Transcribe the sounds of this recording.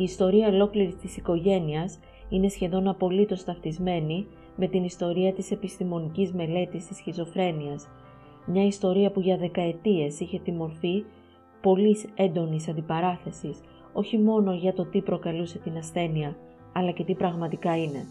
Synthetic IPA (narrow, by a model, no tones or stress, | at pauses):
iːst̪o̞ɾiɐolo̞kliɾit̪isiko̞ʝe̞niɐs | ine̞sçe̞ðo̞nɐpo̞lit̪o̞st̪ɐft̪izme̞ni | me̞t̪inist̪o̞ɾiɐt̪ise̞pist̪imo̞nicizme̞le̞t̪ist̪isçizo̞fɾe̞niɐs | mɲɐist̪o̞ɾiɐpuʝɐðe̞kɐe̞t̪ie̞siçe̞t̪imo̞ɾfi | po̞lise̞nd̪o̞nisɐnd̪ipɐɾɐθe̞sis | o̞çimo̞no̞ʝɐt̪o̞t̪ipɾo̞kɐluse̞t̪inɐsθe̞niɐː | lɐce̞t̪ipɾɐɣmɐt̪ikɐine̞